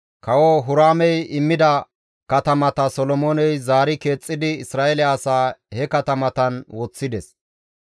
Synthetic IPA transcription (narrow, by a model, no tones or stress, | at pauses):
kɐwɔɦʊɾaːmɛjɪmːɪd̪ɐ | kɐt̪ɐmɐt̪ɐsɔlɔmoːnɛjzaːɾɪke̞ːt͡sʼːɪd̪ɪɪsɾaːɛlɪaːsaːhɛkɐt̪ɐmɐt̪ɐnwɔt͡sːɪd̪ɛs